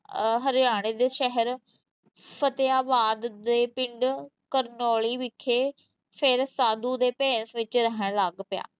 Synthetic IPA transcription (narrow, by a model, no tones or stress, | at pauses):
ɦəɾjaːɽ̃eːd̪eːʃɛɦəɾ | pʰət̪ejaːbaːd̪d̪eːpɪɳɖkəɾnɔːɭiːʋɪkʰːeː | pʰɪɾsaːd̪uːd̪eːpẽːnsʋɪt͡ʃɾəɦəɳləɡpɪja̰ː